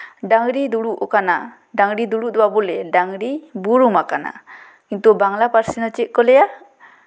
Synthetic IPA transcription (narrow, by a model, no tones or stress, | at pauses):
ɖaŋɾid̪uɽuʔɔkana | ɖaŋɾid̪uɽuʔd̪uwabɔlɛɖaŋɾibuɾumakana̰ | kint̪ubaŋlapaɾsinɔt͡ʃiʔ̚kɔlɛja